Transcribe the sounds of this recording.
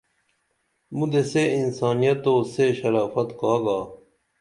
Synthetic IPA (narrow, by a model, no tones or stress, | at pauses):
mud̪eseinsaːnijɐt̪ːoːseɕɐɾaːfɐt̪kaːɡaː